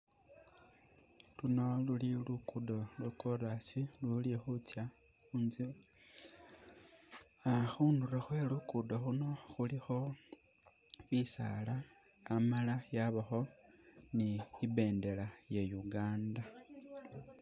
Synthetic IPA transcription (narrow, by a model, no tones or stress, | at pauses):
luno̞lulilukudo̞lwkorasilulixut͡sja | xuːnzi | axuːnduraxwe̞lukudoxuno̞xulixo̞ | βisa̰laː | malajaβaxo̞niibe̞ːnde̞lajejuɡaːnda